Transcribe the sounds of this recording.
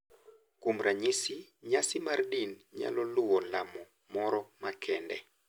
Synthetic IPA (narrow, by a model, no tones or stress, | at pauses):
kumɾaɲisiɲasimardinɲa̰lɔluwɔlamɔ | mɔɾɔmakʰɛndɛ